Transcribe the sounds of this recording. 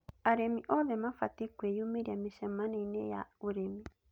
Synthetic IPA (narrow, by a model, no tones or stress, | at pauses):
aɾemiʔɔðɛmafatekwɛjumeɾiameʃɛmanɛinɛja̰oɾemi